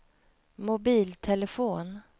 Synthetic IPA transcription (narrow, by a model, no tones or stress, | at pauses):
mʊbiːlt̪ʰɛləfoːn